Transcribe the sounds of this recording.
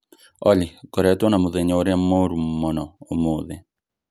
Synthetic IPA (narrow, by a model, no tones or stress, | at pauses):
ɔlɪkɔɾɛtwɔnamoðeɲɔoɾjamoɾumːɔnɔomoːðe